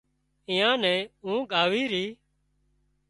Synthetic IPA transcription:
ɪ̃ːãːnɛ̃ːũːɠaːʋiːɾiː

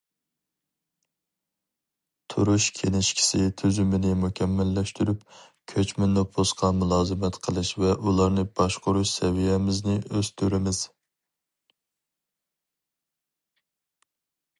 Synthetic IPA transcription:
t̪ʰṵɾuʃkʲʰenɪʃkʲʰi̥sɪt̪ʰyzymɪnɪmukʲʰɛmːɛlːɛʃt̪yɾyp | kʲʰøt͡ʃmɪnːɨbosqʰɑmulˠɑːzɨmɛt̪qʰəlˠɨʃvɛʔulˠɑɾnɨbɑʃqʊɾuʃsɛvijɛmɪznɪʔøz̥t̪ʰyɾɪmɪz̥

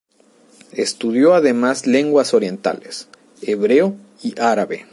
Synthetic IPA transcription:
est̪uðjo̞aðe̞mazle̞ŋɡwaso̞ɾje̞nt̪a̰les | eβɾe̞o | iʔaɾaβḛ

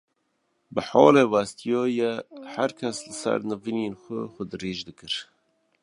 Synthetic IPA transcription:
bɨħɑ̰ːleːwæst̪ijoːjɛhæɾkʰɛslɨsæ̰ɾnɨviːneːnxʷʊxʷʊd̪ɨɾeːʒd̪ɨkɨɾ

